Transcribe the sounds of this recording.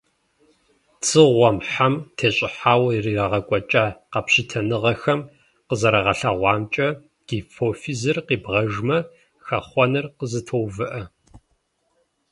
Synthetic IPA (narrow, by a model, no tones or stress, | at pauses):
t͡sʰɨʁʷɔmħamtʰeːɕʼɪħaːwɐiriːraʁɐkʷʼɔt͡ʃʼaːqɐpɕɪtʰɐnɨʁɐxɐm | qəzɐɾɐʁɐɬaʁʷɑːmt͡ʃʼɐ | ɡ̥iːfoːfizɨrqiːbʁɐʒmɐ | xɐχʷɔnɨrqəzɨtʰowvɨʔɐ